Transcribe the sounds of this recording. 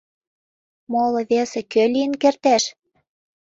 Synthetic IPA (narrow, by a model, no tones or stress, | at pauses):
molɤ̆βesekølʲiənkert̪æʃ